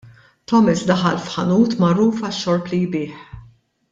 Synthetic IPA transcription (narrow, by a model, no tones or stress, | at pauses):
t̪ɔmɪsd̪ɐħɐlfħɐnuːt̪mɐɾuːfɐʃːɔɾplijbɪːħ